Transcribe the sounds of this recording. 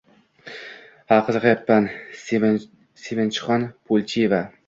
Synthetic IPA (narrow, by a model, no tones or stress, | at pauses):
aqɨzqjapːans | semɪnt͡ʃʰɪ̥χɒnpʰolʲˠt͡ʃʰiva